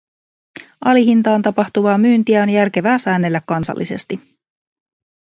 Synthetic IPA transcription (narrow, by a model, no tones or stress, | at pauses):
ʔɑliɦint̪ɑːnt̪ɑpɑxt̪uʋɑːmyːnt̪iæo̞njærk̟e̞ʋæːsæːnːelːækːɑnsɑ̰lːʔise̞̰st̪i